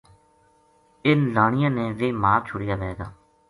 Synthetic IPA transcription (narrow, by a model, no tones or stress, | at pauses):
ɪnlaːɳɪjãːneːʋeːmaːɾt͡ʃʰʊɽɪjaːʋɛːɡa̰ː